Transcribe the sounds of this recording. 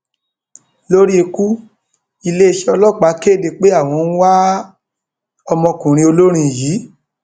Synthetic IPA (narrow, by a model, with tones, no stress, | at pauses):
lo˦ɾi˦e˧ku˦ | i˧le˦˧ʃe˦ɔ˧lɔ˦˨k͡pa˨˦ke˦˨de˨k͡pe˦a˦˨w̃ɔ̃˧n̩˦wa˦ | ɔ˧mɔ̃˧kũ˨ɾ̃ĩ˧o˧lo˦ɾ̃ĩ˧˨jiː˨˦